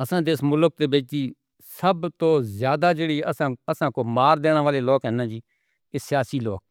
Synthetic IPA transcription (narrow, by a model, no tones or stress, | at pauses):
əsãːd̪eːsmʊlək̚t̪eːbɪt͡ʃd͡ʒiː | səbt̪õːzjaːd̪aːd͡ʒeːɽiːəsãːəsãːkoːmaːɾd̪eːɽ̃ãːʋaːleːloːkɦɛːnãːd͡ʒiː | esɪjaːsiːloːk̚